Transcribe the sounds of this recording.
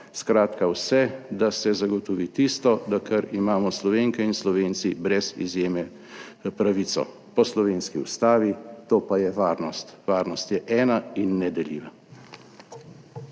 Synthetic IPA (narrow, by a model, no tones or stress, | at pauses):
skɾaːt̪kawsɛd̪asɛzaɡɔt̪ɔʋit̪ist̪ɔd̪akəɾimaːmɔslɔʋeːŋkɛinslɔʋeːnsibɾɛzḭzjeːmɛ | pɾaʋit̪sɔ̰ | pɔslɔʋeːnskiṵst̪aːʋit̪oːpajɛʋaːɾnɔst̪ʋaːɾnɔst̪jɛʔɛːnainːɛd̪ɛlḭːʋa